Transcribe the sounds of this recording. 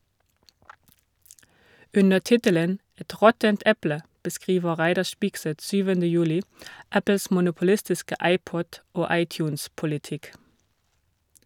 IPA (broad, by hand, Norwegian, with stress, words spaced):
ˈʉnə ˈtɪtələn ˈɛt ˈʁɔtənt ˈɛplə bəˈskʁiːʋə ˈʁæɪdɑɾ ˈʃpɪɡsɛt ˈsyːʋəndə ˈjʉːlɪ ˈæpl̩s mʊnʊpl̩ˈɪstɪskə ˈɑɪˌpɔd ˈoː ˈɑɪˌtjʉːnspʊlɪˌtɪk